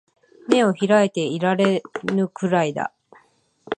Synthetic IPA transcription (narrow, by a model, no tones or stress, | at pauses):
me̞o̞çiɾaet̪e̞iɾaɾe̞nɯ̟kɯɾaid̪a̰